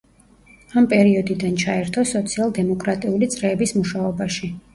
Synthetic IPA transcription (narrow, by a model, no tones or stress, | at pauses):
ampʼɛɾiɔd̪id̪ant͡ʃʰaɛɾt̪ʰɔsɔt̪sʰialˠd̪ɛmɔkʼɾat̪ʼiulit̪sʼɾɛːbismuʃaɔbaʃi